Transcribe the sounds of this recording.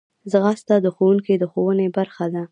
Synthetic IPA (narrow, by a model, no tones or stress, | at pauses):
zɣast̪ɑd̪əxowuŋkid̪əxowənebaɾxad̪a